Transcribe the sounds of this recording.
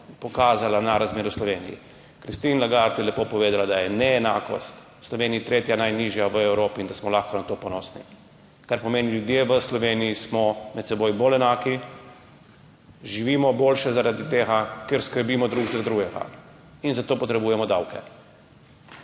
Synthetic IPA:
pɔkaːzalanaɾazmeːɾuslɔʋeːnḭjḭ | kɾist̪iːnlaɡaɾt̪jɛlɛpoːpɔʋeːd̪alad̪ajɛnɛːna̰ːkɔ̰st̪ | slɔʋeːnijit̪ɾeːt̪janajniʒjaʋəɛwɾoːpiind̪asmɔlaxkɔnat̪oːpɔnɔːsnḭ | kaɾpɔmeːniljud̪jeʋəslɔʋeːnijismɔmɛt̪sɛboːjbolɛnaːki | ʒiʋiːmɔboːlʃɛzaɾad̪it̪eːɣakeɾskəɾbiːmɔd̪ɾuɡzaɾad̪ɾuɡɛɡa̰ | inzat̪oːpɔt̪ɾɛbuːjɛmɔd̪awkɛ̰

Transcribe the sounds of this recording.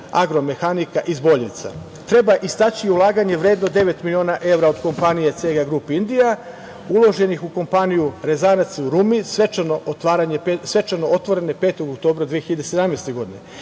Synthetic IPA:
a̰ɡɾo̞me̞xanikaʔizbo̞ʎnḭt̪sa̰ | t̪ɾe̞baʔist̪at͡ɕiulˠaːɡaɲe̞ʋɾe̞ːd̪no̞d̪e̞ʋe̞t̪milio̞ːnaʔe̞ʋɾao̞d̪ko̞mpanijet̪seɡaɡɾuːpiind̪ija | ulˠo̞ʒe̞nixuko̞mpanijuɾe̞zanat̪siuɾumisʋet͡ʃanoʔot̪ʋaːɾaɲe̞psʋe̞t͡ʃano̞ot̪ʋo̞ɾe̞ne̞pet̪o̞ɡokt̪o̞ːbɾad̪ʋije̞xiʎed̪esed̪amnejst̪e̞ɡo̞d̪ine̞̰

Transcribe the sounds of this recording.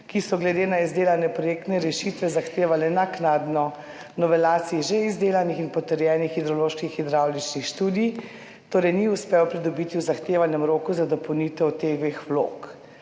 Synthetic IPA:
kisɔɡlɛd̪eːnaizd̪eːlanɛpɾɔjek̚t̪nɛɾɛʃit̪ʋɛzaxt̪eːʋalɛnaknad̪nɔ | nɔʋɛlaːt̪siɛʒeizd̪eːlanixinpɔt̪əɾjɛːnixid̪ɾɔloːʃkixid̪ɾawlit͡ʃnixʃt̪uːd̪ij | t̪oːɾɛjniuspɛwpɾid̪ɔbit̪iwzaxt̪eːʋanjɛmɾoːkuzad̪ɔpɔwnit̪ɛwt̪eʋexwlo̰ːk

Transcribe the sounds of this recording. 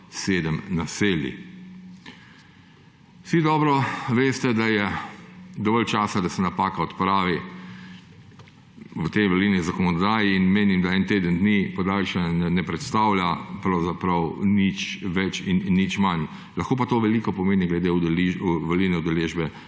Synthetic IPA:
seːd̪əmnaseːlḭ | sid̪ɔːbɾɔʋeːst̪ɛd̪ajɛ | d̪ɔʋɔlt͡ʃaːsad̪asɛnapaːkaɔt̪pɾaːʋi | wət̪ejʋəɾlinizakɔnɔd̪aːjiːnmeːnimd̪aɛnt̪eːd̪ənd̪nipɔd̪alʃɛɛnɛpɾɛt̪st̪aːwljapɾɐwzapɾɐwnit͡ʃʋɛt͡ʃinːit͡ʃman | lɐxkoːpat̪oːʋɛliːkɔpɔmeːniɡlɛd̪eliʋəɾliːnɛud̪ɛleːʒbɛ

